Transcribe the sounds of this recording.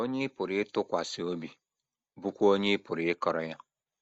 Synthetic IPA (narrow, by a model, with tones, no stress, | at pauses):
o˦ɲe˦pʊ˨ɾɪ˦ɪ˦tʊ˦kʷa˨si˨o˦bi˨ | bu˦kʷo˦ɲe˦ɪ˦pʊ˨ɾɪ˨ɪ˦kɔ˨ɾɔ˨ja˦